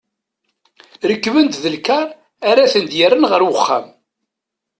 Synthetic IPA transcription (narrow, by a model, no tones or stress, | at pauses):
ɾəkːvənt̪ðəlkaɾˤ | aɾaθənd̪jəɾənʁəɾwəχːa̰m